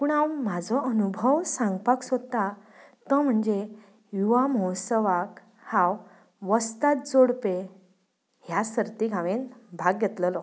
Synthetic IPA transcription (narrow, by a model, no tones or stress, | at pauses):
puɳawmad͡zʱɔʔənubʱəwsãŋɡpaksot̪a | t̪əm̤əɳd͡ze | juʋamɔwsəʋak | hãw | ʋəst̪at̪̚d͡zoɽpe | ɦjasəɾt̪iɡʱaʋenbʱaɡːet̪ləlɔ